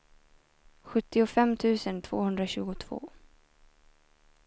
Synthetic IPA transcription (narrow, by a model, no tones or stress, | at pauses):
ɧɵt̪ːɪʊfɛmːt̪ʰʉ̟ːsənt̪ʰv̥oːhɵnd̪ɾaɕʉ̟ːɡʊt̪ʰv̥o̰ː